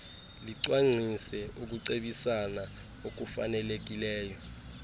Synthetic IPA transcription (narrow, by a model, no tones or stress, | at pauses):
liǀwaŋ͡ǀʱisɛuk̬uǀeɓisana | ok̬ufa̰nɛlek̬ilɛːjɔ